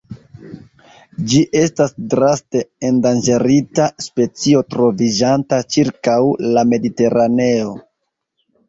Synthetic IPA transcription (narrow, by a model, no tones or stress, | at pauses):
d͡ʒiʔe̞stasdɾaste̞endand͡ʒe̞ɾitaspe̞t͡sio̞tɾo̞vid͡ʒantat͡ʃiɾkawlame̞dite̞ɾane̞o̞